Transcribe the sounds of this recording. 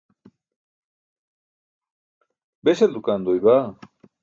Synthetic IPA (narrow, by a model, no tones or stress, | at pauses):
beseld̪ukand̪ojβa